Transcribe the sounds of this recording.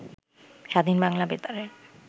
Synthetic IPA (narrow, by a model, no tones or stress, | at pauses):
ʃad̪ʱinbaŋlabet̪aɾeɾ